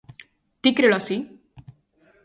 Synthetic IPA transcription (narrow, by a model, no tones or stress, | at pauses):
t̪ikɾeɭʌsi